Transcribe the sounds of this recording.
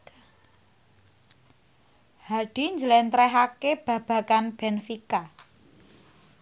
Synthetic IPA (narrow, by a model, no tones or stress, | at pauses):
haɖ̥i̤ɲd͡ʒəlɛnt̪ɾɛɦakeb̥ä̤b̥ä̤kanb̥ɛnfika